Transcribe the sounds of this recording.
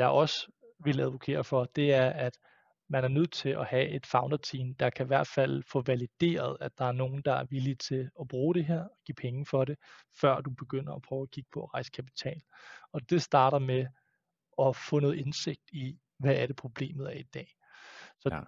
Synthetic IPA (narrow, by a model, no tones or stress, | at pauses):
jɑ̈ɪʔɒ̽s | ʋe̝læðˠʋo̝kʰe̝̰ːɐfɒ̽d̥e̝æɐæd̥ | mænæɐnøð̞̰ˠt͡sʰe̝lʔɒhæe̝d̥fɑ̈ʊnd̥ɐt͡sʰḭːmd̥ɑ̈kʰæiʋæɐ̰d̥fæl̰fɔ̽ʋælid̥e̝̰ːɐð̞̩ˠæ̥ɑ̈æɐno̝ːn̩d̥ɑ̈æɐʋilit͡sʰe̝ɒ̽b̥ʁuːɾ̥e̝ɦeɐ̰ɒ̽ɡ̥ḭːpʰeŋəfɒ̽ɾe̝ | fɶɐ̰d̥ub̥e̝ɡ̥øn̰ɐɒpʰʁœːʊɒkʰiɡ̥ə̥pʰɒ̽ːʁɑ̈ɪsə̥kʰæpʰi̥t͡sʰɛ̰ːlɒ̽d̥e̝sd̥ɑ̈ːɾɐme | ɒ̽fɔ̽ːnɔ̽ːð̩ˠense̝ɡ̥̚d̥i | ʋææɾ̥e̝pʰʁo̝b̥le̝̰ːmð̩ˠæɐid̥ɛ̰ː | sɒ̽